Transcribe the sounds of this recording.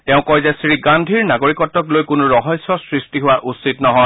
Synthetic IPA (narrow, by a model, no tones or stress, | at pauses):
tɛʊ̃kɔjzɛsɹiɡandʱiɹnaɡoɹikɔtːɔklojkʊnuɹɔɦɔjsːɔsɹistiɦʊwaʔusitnɔɦɔj